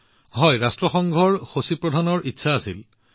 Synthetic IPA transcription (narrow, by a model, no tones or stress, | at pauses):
ɦɔjɹastɹɔxɔŋɡʱɔɹxosipɹɔdʱanɔɹʔitːsʰaːsil